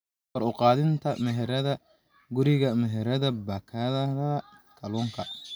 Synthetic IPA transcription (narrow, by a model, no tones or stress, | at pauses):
wɐɾʊqɑːðɪnt̪ʰɐmɛɦɛɾɐðɐ | ɡʊɾɪɣɐmɛɦɛɾɐðɐbɐːkʰaðɐɾɐɐ | kʰɐlɔːŋkʰɐ